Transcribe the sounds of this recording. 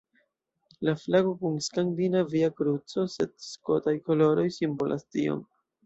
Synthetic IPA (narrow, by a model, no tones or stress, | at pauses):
laflaɡo̞kunskaŋdinaviakɾut͡so̞se̞dsko̞tajko̞lo̞ɾo̞jsimbolʔa̰stḭo̰m